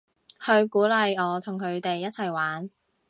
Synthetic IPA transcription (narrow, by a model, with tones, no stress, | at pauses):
hɵ˧ɥkuː˨˥lɐ˨jɔː˨˧t̪ʰʊ˨˩ŋkʰɵ˨˧ɥt̪e˨jːɐ˥t͡sʰɐ˨˩jwaː˨˥n